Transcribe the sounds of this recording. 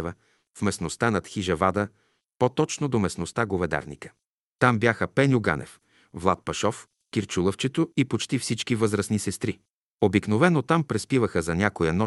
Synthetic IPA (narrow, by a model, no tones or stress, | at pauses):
və | fmɛsnost̪anɐt̪xiʒɐvad̪ə | pot̪ɔt͡ʃnod̪omɛsnost̪aɡovɛd̪a̰ɾnḭkə̥ | t̪ambʲjaxəpɛnʲjʊɡa̰nʔɛ̰f | vlˠat̪̚pɐʃɔf | kʲiɾt͡ʃulˠəft͡ʃɛt̪oipot͡ʃt̪ifsit͡ʃkivɤzɾəsnisɛst̪ɾi | obikn̪ovɛnot̪ampɾɛspivəxəzɐnʲakojənɔ